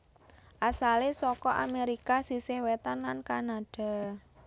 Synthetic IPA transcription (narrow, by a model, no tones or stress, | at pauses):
ʔasalesɔkɔʔa̰meɾikasisehwet̪anlankanaɖ̥a̤